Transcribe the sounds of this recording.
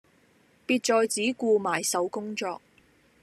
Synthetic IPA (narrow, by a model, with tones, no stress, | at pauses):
piː˧t̚t͡ʃɔː˧jt͡siː˨˥kuː˧maː˨˩jsɐ˨˥wkʊ˥ŋt͡sɔː˧k̚